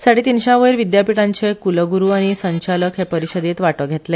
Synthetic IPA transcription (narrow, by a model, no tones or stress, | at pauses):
saɽ̤iːt̪inɕãʋəjɾʋid̪japiʈãɲt͡ɕekuləɡuɾuːaɽ̃isəɲt͡ɕaləkɦepəɾiɕəd̪et̪ʋaʈəɡʱet̪le